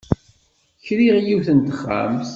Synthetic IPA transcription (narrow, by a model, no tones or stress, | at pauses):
çɾiʁjiwθənt̪əχːa̰mθ